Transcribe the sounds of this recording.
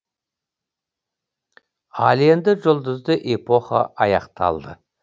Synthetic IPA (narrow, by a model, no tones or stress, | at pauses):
ɑlˠe̞nd̪ɪʒʊlˠd̪əzd̪əʔepʰo̞χa̰ʔɑjɑqt̪ʰɑ̰lˠd̪ə